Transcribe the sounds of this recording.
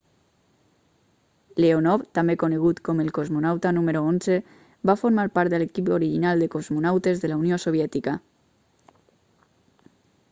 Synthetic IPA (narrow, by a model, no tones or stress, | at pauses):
leonɔβt̪amekoneɣ̞ut̪kɔmelkozmonawt̪anumeɾoonze | bafoɾmaɾpaɾt̪d̪elekipoɾiʒinalˠd̪ekozmonawt̪ezðelauniosoβjɛt̪ika